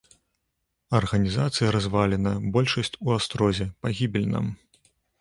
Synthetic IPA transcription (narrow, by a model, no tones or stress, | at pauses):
ɐrɣɐnʲizat̪sɨjɐɾazvalʲɛnɐbɔlʲʂɐsʲt͡sʲuast̪ɾɔzʲɛpaɣʲibʲilʲnɐ̰m